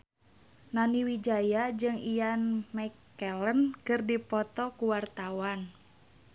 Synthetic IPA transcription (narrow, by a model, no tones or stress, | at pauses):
naniwid͡ʒajad͡ʒɨŋijanmɛkɛlənkɨrdipɔt̪ɔkuwart̪awan